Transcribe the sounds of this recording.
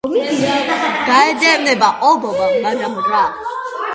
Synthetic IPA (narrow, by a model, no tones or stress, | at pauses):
ɡ̥aɛd̪ɛmnɛbaʔɔbɔmamad̪amɔɡɾaːl